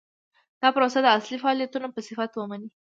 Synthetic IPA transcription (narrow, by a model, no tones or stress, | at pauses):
t̪apɾosəd̪əaslifaːlijat̪unəmpəsifat̪woməni